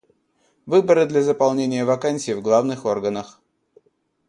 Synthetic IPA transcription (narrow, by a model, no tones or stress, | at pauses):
vɨbəɾɨd̪lʲɐzəpɐlˠnʲenʲɪjəvɐkanʲsʲɪjːvɡlˠavnɨxo̞rɡənəx